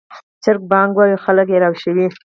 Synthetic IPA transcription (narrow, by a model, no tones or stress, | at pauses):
t͡ʃɪɾk̚bɑŋɡwawixaləkjeɾawʃəwi